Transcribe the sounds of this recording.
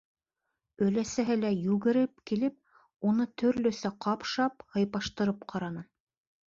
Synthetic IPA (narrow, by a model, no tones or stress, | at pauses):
ɵ̆læsæɦɘlæjʉɣɘ̆ɾɘp̚kilɘp̚ | unɤt̪ʰɵ̆ɾlɵ̆sæqʰɑpʃɑphɤ̆jpɑʃt̪ɤ̆ɾɤpqʰɑɾɑnɤ